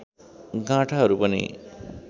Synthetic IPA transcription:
ɡãʈʰaɦʌɾupʌnḭ

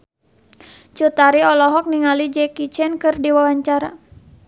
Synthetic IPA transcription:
t͡ʃut̪aɾiɔlɔɦɔk̚niŋalid͡ʒɛkit͡ʃɛnkɨrdiwawaɲt͡ʃaɾa

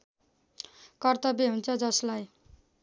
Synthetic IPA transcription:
kʌrt̪ʌbeɦunt͡sʰʌd͡zʌslaj

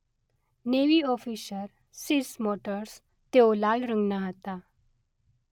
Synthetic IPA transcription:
neʋiɔfisəɾ | siɾsmoʈəɾs | t̪elalɾəŋɡnaɦət̪a

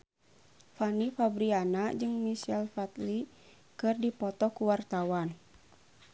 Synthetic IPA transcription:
fanifabɾianad͡ʒɨŋmisɛlfat̪li | kɨrdipɔt̪ɔkuwart̪awan

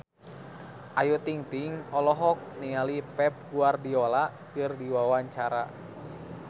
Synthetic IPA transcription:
ʔajut̪iŋt̪iŋɔlɔɦɔk̚nialipɛp̚ɡuardiolaʔkɨrdiwawaɲt͡ʃaɾa

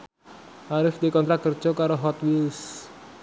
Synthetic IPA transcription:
ʔaɾɪfd̪ikɔnt̪ɾat̪̚kər̥d͡ʒ̥ɔkaɾoɦɔt̪wils

